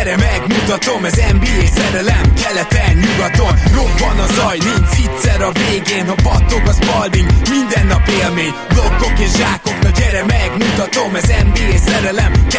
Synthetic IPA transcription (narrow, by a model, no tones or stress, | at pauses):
ɾɛmɛɡmut̪ɒt̪o̞mɛzɛmbiːeːsɛɾɛlɛmkɛlɛt̪ɛnɲuɡɒt̪o̞mro̞bːɒnɒzɒjnint͡ʃit̪sɛɾɒveːɡeːnɒpɒt̪ːokɒzpɒld̪iɲmind̪ɛnːɒpeːlmeːɲ | blokːo̞keːʃʒaːko̞kt̪ɒɟɛɾɛmɛɡmut̪ɒt̪o̞mɛzɛmbiːeːsɛɾɛlɛmk